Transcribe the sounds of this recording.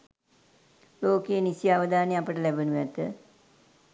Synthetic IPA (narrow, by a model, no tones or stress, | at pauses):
loːkejːnisijaʋəd̪aːneapəʈəlæbənuʋɛt̪ə